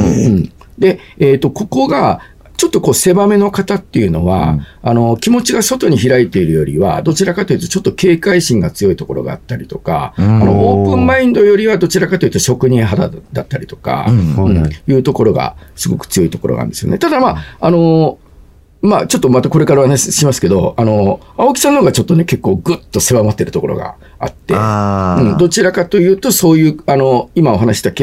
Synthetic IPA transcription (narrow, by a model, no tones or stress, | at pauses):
ɯ̃ɴd̪e̞eːt̪ːo̞ko̞ko̞ɡa | t͡ɕo̞t̪ːoko̞ːse̞bame̞nokat̪at̪ːe̞jɯ̟no̞̰βa̰ano̞kʲimo̞t͡ɕiɡaso̞t̪o̞ɲ̟içiɾait̪e̞iɾɯ̟jo̞ɾʲḭβa̰d̪o̞t͡ɕiɾakat̪o̞jɯ̟t̪o̞̥t͡ɕo̞t̪ːo̞ke̞ːkaiɕĩŋɡat͡sɨjo̞it̪o̞ko̞̰ɾo̞̰ɡa̰ːt̪ːaɾʲit̪o̞ka̰anoʔoːpɯ̟̃mbãĩnd̪o̞jo̞ɾʲiβad̪o̞t͡ɕiɾakat̪ojɯ̟t̪oɕo̞kɯ̟ɲ̟ĩɰ̃ɦad̪a̰d̪at̪ːaɾʲit̪o̞̥ka̰ɯ̃jɯ̟ːt̪o̞ko̞ɾo̞ɡa̰sɨɡo̞kɯ̟̥t͡sɨjo̞it̪o̞ko̞ɾo̞̰nã̰nd̪e̞sɨjonḛt̪ad̪amaano̞ | mat͡ɕo̞t̪ːo̞mat̪ako̞ɾe̞kaɾaohanaɕiɕimasɨ̥ke̞d̪o̞ano̞ | ao̞kʲi̥sãnːonoɡat͡ɕo̞t̪ːo̞ne̞ke̞kːo̞ːɡɯ̟t̪ːo̞se̞βamot̪ːe̞ɾɯ̟t̪o̞ko̞ɾo̞̰ɡa̰ | a̰t̪ːe̞̰ɯ̟̃ɴd̪o̞t͡ɕiɾakat̪o̞jɯ̟ːt̪o̞so̞ːjɯ̟ːano̞imao̞ɦanaɕi̥t̪ake